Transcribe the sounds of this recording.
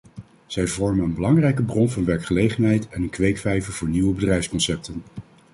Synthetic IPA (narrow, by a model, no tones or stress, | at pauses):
z̥ɛjvɔɹmənənbəlɑŋrɛjk̬əbrɔnvɑnʋɛɹkχəlejχənɦɛjtɛnənkʋejkfɛjvəvʊːɹniʋəbədrɛjfskɔnsɛp̚tən